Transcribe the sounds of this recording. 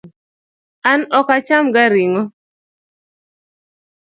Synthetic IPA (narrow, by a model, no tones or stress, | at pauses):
anɔkat͡ʃamɡaɾiŋɔ